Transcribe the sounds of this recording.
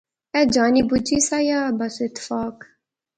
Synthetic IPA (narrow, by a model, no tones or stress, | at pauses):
ɛd͡ʒaːnibud͡ʒisajaːbasɪt̪fɑːk